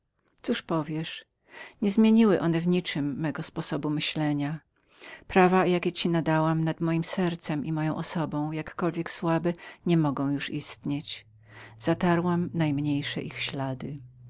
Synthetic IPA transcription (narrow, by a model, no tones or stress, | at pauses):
t̪suʂpɔvʲjɛʂ | ɲɛzmʲjeɲiwɘʔɔnɛvɲit͡ʂɘmːɛɡɔspɔsɔbumɘɕlɛɲa | pɾavajakʲɛt͡ɕinad̪awamnad̪mɔjimsɛɾt̪sɛmʔimɔjɔ̃w̃ʔɔsɔbɔ̃w̃jakːɔlvʲjɛkswabɘɲɛmɔɡɔ̃w̃juʂist̪ɲet͡ɕ | z̥at̪aɾwamnajmɲejʂɛ̰ʔixɕlad̪ɘ